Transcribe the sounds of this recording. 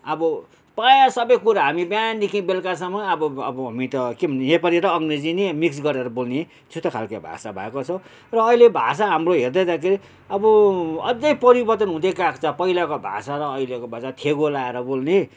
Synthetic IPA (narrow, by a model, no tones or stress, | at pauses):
ʌbʌ | pajsʌbʌjkuɾaɦamibjand̪ikʰĩbelkasʌmʌʌbʌ̰ːbʌɦamit̪ʌkibʱʌnejepaɾjiɾʌːŋred͡zinemiksɡʌɾeɾʌbolne | t̪ʰut̪ʌkʰalkabʱa̰sabʱʌekot͡sʰʌ | rʌːilebʱa̰saɦamroɦerd̪ʌjd̪akʰeɾi | ʌbʌʌd͡zʌjpʌɾibʌrt̪ʌnɦũd̪ekakt͡sʌpʌilakobʱa̰saɾʌːilekobʱasat̪ʰeɡolaeɾʌbolne